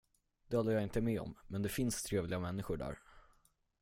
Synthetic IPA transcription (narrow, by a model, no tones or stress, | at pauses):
d̪̥ɛhɔlːəjɑɪnt̪əmɛːɔ̰mːɛnd̪ɛfɪnst̪ʰɾeːvlɪɡamɛnːɪɧʊɖæ̰ːɾ